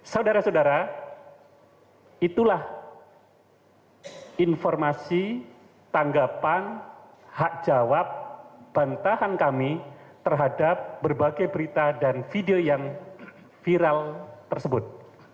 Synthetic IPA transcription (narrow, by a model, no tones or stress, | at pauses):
sawdaɾasawdaɾa | it̪ulah | infɔrmasi | t̪aŋɡapan | hak̚d͡ʒawap̚b̥ant̪aɦankamit̪ərɦadap̚bərbaɡajbəɾit̪adanfideojaŋ | fiɾalt̪ərsəbʊt̪̚